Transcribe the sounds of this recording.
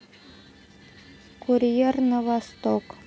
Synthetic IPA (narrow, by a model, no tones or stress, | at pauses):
kuɾʲijernəvɑst̪ok